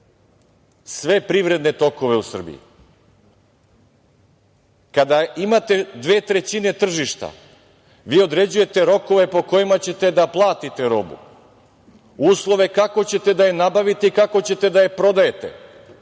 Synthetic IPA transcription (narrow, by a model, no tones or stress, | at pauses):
sʋe̞pɾiʋɾed̪ne̞t̪o̞ko̞ʋe̞usr̩bḭḭ | kad̪aimat̪e̞d̪ʋe̞ːt̪ɾe̞t͡ɕine̞t̪r̩ʒiʃt̪a̰ | ʋiːo̞d̪ɾe̞d͡ʑuje̞t̪e̞ɾo̞ko̞ʋe̞po̞ko̞jimat͡ɕe̞t̪e̞d̪aplˠaːt̪it̪e̞ɾo̞̰bṵ | uːslˠo̞ʋe̞kako̞t͡ɕe̞t̪e̞d̪ajenabaʋit̪eikako̞t͡ɕe̞t̪e̞d̪ajepɾo̞d̪aje̞t̪e̞̰